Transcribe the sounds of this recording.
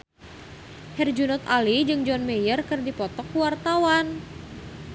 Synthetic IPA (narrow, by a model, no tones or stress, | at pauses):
hɛrd͡ʒunɔt̪alid͡ʒɨŋd͡ʒɔnmejərkɨrdipɔt̪ɔkuwart̪awan